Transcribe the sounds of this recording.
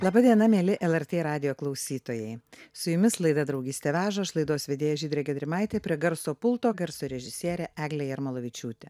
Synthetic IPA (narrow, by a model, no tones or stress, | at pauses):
lˠɑːbɐd̪ʲiɛnɐmʲeːlʲɪʔɛlˠɛɾʲt̪ʲeːɾɑːd̪ʲɪjoːklˠɒʊsʲiːt̪oːjɛɪsʊjʊmʲɪslˠɐɪd̪ɐd̪ɾɐʊɡʲiːsʲt̪ʲeʋʲæːʒɐɪʃlˠɐɪd̪oːsʋʲɛd̪ʲeːjoːʒʲiːd̪ʲɾʲeːɡʲɛd̪ʲɾʲɪmɑɪt̪ʲeːpʲɾʲiɛɡɐɾsoːpʊlˠt̪oːɡɐɾsoːɾʲɛʒʲɪsʲiɛɾʲɛʔæːɡlʲɛjɛɪɾmɐlˠoʋʲɪt͡ʃʲuːt̪ʲe